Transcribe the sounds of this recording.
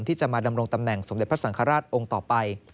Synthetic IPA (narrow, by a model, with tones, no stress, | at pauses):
nt̪ʰiː˥˩t͡ɕa˨˩maː˧da˧mɾo˧ŋt̪a˧mnɛ˨˩ŋso˨˩˦de˨˩p̪̚ʰsa˩˦ŋkʰaː˧ɾaː˥˩t̪̚ʔo˧ŋt̪ɔː˨˩pa˧j